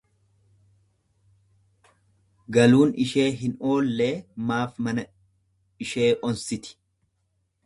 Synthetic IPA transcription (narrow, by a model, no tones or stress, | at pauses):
ɡɐluːnɪʃe̞ːɦɪno̞ːlːe̞ːmaːfmɐnɐ | ɪʃe̞ːʔɔnsɪt̪ɪ̥